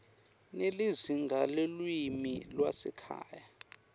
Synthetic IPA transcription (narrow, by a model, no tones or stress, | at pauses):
neliziŋɡʱalelwimilwasɛkʰa̰ːja